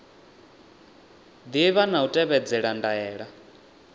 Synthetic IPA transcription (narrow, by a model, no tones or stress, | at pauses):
d̪iβanautʼɛβɛd͡zɛɺandaɛːɺa